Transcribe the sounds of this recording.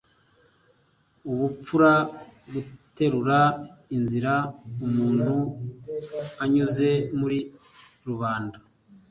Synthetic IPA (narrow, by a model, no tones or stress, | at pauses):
uβup͡fuɾaɡute̞ɾuɾainziɾaumuːn̥hu | aɲuze̞muɾi | ɾuβaːnda